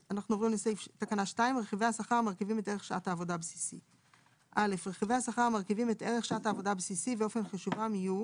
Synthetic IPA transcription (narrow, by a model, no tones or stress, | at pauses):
anaχnuovʁimlesejft̪akanaʃtaimʁeχiveasaχaʁmaʁkivimeteʁeχʃaʔathaːvo̞dabsi̥sḭ | ʔalefʁeχivehasaχaʁmaʁkivimet̪eʁeχʃaathaːvo̞dabsisibeo̞fe̞nχaʃuvamiju